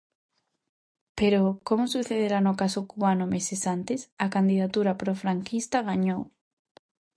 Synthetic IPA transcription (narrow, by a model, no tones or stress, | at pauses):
peɾokomʊsuθeðeɾanʊkasokuβanʊmesesant̪esɐkand̪iðat̪uɾapɾofɾaŋkist̪ɐɣaɲow